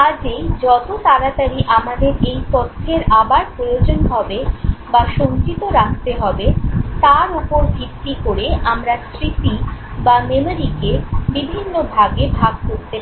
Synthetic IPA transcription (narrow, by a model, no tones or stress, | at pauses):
ad͡ʑejd͡ʑɔt̪ot̪aɾat̪aɾiʔamad̪eɾejpɔt̪ʰːeɾabaɾpɾojod͡ʑonɦɔbebaʃont͡ɕit̪oɾakʰt̪eɦɔbet̪aɾupoɾbʱit̪ːikoɾeʔamɾasɾit̪ibamemeɾikebibʱinːobʱaɡebʱaɡ̚koɾt̪e